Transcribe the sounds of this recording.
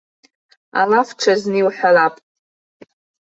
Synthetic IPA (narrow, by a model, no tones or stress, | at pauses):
a̰lafʈ͡ʂʰazniwħalapʼ